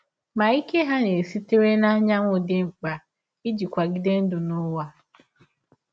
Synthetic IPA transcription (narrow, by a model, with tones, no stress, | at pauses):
ma˨i˦ke˦ɦa˦ne˨si˦te˦ɾe˦na˦ɲa˦ŋʷʊ˦dɪ˦ŋ͡m̩˨k͡pa˨ | i˦d͡ʒi˨kʷa˨ɡɪ˦de˦n̩˦dʊ˨nʊ˦wa˦